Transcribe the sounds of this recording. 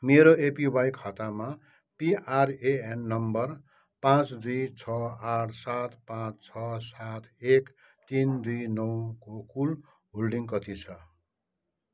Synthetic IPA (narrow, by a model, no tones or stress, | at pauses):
meɾoepibajkʰʌt̪ama | piʔareenːʌmbʌr | pãt͡sd̪ujt͡sʰʌaʈʰsat̪pãt͡st͡sʰʌsat̪ʰek | t̪ind̪ujnʌwkokul | ɦolɖiŋkʌt̪it͡sʰʌ